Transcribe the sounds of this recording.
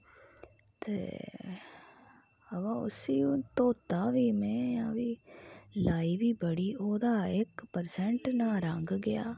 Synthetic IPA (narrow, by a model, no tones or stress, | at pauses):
t̪ḛː | əʋãːʊ̰siːũːt̪oːt̪aːʋiːmɛ̃ːjãːʋiːlaːiːʋiːbəɽiːʔoːd̪aːɪkpəɾsɛɳʈnaːɾə̃ŋɡɡɪja̰ː